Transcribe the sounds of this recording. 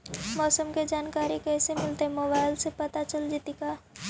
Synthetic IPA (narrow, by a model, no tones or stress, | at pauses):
mɔːsəmked͡ʒaːnkaːɾikɛːsemɪlt̪eɦɛmoːbaːɪlsepɐt̪at͡ʃəld͡ʒit̪ikaː